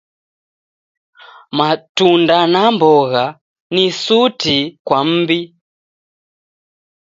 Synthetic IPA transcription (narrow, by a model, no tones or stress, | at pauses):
matundanambɔɣa | nisutikwam̩ːbi